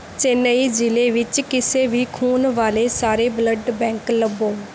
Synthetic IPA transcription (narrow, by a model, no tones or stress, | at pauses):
t͡ʃeːnəiːd͡ʒɪleːʋɪt͡ʃkɪseːʋiːkʰuːnʋaːleːsaːɾeːbləɖbɛ̃ːŋkləboː